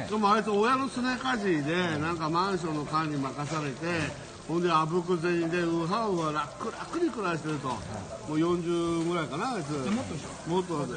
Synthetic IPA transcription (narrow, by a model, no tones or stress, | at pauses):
kamoait͡sɨojano̞sɨnekaʑid̪e̞nãŋkamãɰ̃ɕ̬õ̞nːo̞kãɲ̟ːimakasaɾe̞t̪e̞ | hond̪e̞abɯ̟k̬ɯ̟zẽ̞ɲid̪eɯɦaɸɯɡaɾakːɯɾakːɯɾʲikɯ̟ɾaɕi̥t̪e̞ɾɯ̟t̪o̰moːjõ̞ɲd͡ʑɨːɡɯ̟ɾaikanaːit͡sɨ | mo̞t̪ːo